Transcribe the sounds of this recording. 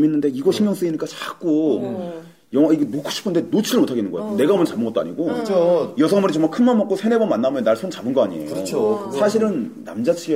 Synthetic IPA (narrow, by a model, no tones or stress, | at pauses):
minːɯnde̞iɡʌɕʰiŋjʌŋs͈ɯɡiɲik͈at͡ɕak͈o | jʌŋʌiɡenokʰo̥ɕʰi̥pʰːɯnde̞not͡ɕʰiɾɯɭmotʰaɡenɯnŋɡʌj̰ane̞ɡaomʌnt͡ɕabɯnɡʌt͈oa̰ɲḭɡot͡ɕʰojʌsʰʌŋmʌɾit͡ɕʌŋmakʰɯnmanmʌk͈osʰe̞ne̞bʌnmanːamjʌnːaɭsʰont͡ɕabɯnɡʌaɲiḛjɾoosʰaɕʰiɾɯnː | a̰md͡ʑat͡ɕʰiɡe